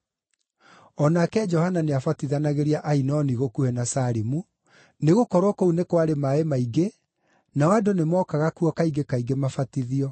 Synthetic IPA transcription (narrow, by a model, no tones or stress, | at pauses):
ɔnakɛd͡ʒɔhananeafatiðanaɣeɾiaʔainɔniɣokuhɛnasaɾemu | neɣokɔɾwɔkounekwaɾemaemaiɡe | nawadonemɔkaɣakuɔkaiɡekaiɡemafatiðiɔ